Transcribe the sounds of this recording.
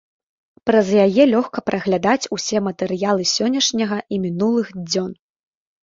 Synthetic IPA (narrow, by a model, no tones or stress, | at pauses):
pɾɐzjajɛlʲɔxkɐpɾʔɐɣlʲad̪at͡sʲusʲɛmɐt̪ɛɾɨjalˠɨsʲɔnʲːɐʂnʲɐɣɐʔimʲinulˠɨxd͡zʲɔn